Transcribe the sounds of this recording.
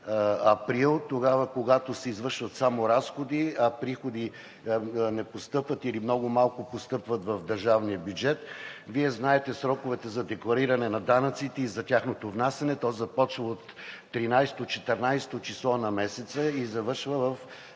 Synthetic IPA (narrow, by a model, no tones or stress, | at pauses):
ɐpɾilˠt̪oɡavəkoɡat̪osɛizvəɾʃvɐt̪samoɾasxod̪iɐpɾixod̪i | nɛpost̪ɤpvət̪ilimnɔɡʊmalˠkʊpost̪ɤpvət̪vɐvd̪əɾʒavnijəbjud͡ʒɛt̪viɛznaɛt̪ɛsɾɔkʊvɛt̪ɛzɐd̪ɛklˠɐɾiɾɐnɛnɐd̪anɐt̪sit̪ɛizɐtʲaxnot̪ovnasɛnɛt̪ɔzɐpɔt͡ʃvəot̪ː | ɾinajst̪ot͡ʃɛt̪ɛɾnajst̪ot͡ʃislˠɔnɐmɛsɛt̪səizɐvɤɾʃvəvɐf